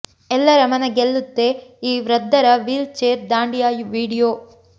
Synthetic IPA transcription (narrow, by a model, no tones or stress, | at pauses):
ɛlːɐɾɐmɐnɐɡelːut̪ːe̞iːʋɾɐd̪ːɐɾɐʋiːlt͡ʃeːɾd̪aːɳɖijaːjuʋiːɽijoː